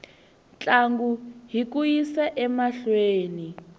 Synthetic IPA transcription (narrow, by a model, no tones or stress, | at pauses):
nt͡ɬʼaŋɡuɦik̬ʼujisɛʔɛmaɬweːni